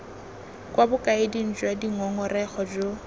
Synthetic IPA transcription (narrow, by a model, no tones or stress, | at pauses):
kʼwʔabʊkʼaɪdin̩d͡ʒwadiŋɔŋɔrɛχɔd͡ʒo